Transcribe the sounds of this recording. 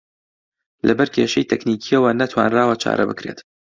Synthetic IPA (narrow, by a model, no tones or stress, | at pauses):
lʔɐbɛɾkʰʲeːʃɐjt̪ʰɛkniːkʰiɐwɐnɐt̪ʰwa̰ːnraːwɐt͡ʃʰa̰ːɾʔɐ̰bɨkɾe̞t̪